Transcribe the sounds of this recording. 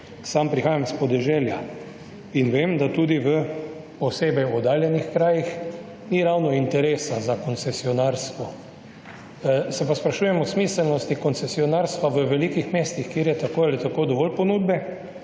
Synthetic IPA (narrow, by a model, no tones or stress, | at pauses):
sampɾixaːjamspɔd̪ɛʒɛːlja | inʋeːmd̪at̪uːd̪iʋə | ɔseːbɛjɔd̪aːljɛnixkɾaːjix | niɾawnɔint̪ɛɾesazakɔnt̪sɛsiɔnaːɾst̪ʋɔ | sɛpaspɾaʃuːjɛmɔsmiːsɛlnɔst̪ikɔnsɛsiɔnaːɾst̪ʋaʋəʋɛlikixmeːst̪ixkjeːɾjɛt̪akoːjalit̪akoːd̪ɔʋɔlpɔnuːd̪bɛ